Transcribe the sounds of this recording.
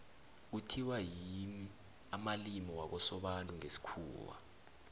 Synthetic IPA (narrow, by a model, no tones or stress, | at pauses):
utʰiwajimi | amalimɔwak̬ɔsɔɓantʼuŋesi̥kʰṵːwa̰